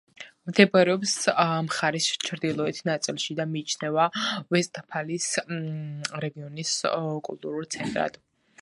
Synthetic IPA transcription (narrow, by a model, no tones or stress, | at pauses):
md̪ɛbaɾɛɔpsmχaɾist͡ʃʰɾd̪ilˠɔɛt̪ʰnat̪sʼilˠʃid̪amiːt͡ʃʰnɛvavɛst̪ʼpʰalis | ɾɛɡiɔniskʼṵlˠt̪ʼuɾulˠt̪sʰɛnt̪ʼɾa̰d̪̥